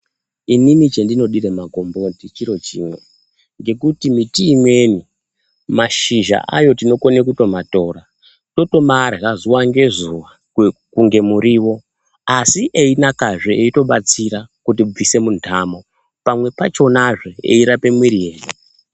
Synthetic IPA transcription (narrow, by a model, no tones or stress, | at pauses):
inimit͡ʃendino̞ɗiɾemaɡʱo̞mbo̞tit͡ʃiɾo̞t͡ʃḭːmwe̞̰ | ŋɡe̞kutimitiːmwe̞ni | maʃiʒa̰ʔa̰jo̞tino̞ko̞nekuto̞mato̞ːɾa | to̞to̞marɣazuwaŋɡe̞zuwa | kuŋɡe̞muɾiːwo̞ | asiʔeinakaʐeeito̞ɓat͡siɾakut̬ib͡vise̞muntʰaːmo̞ | pamwe̞pat͡ʃo̞naʐe̞ḛiɾape̞mwiɾijeːni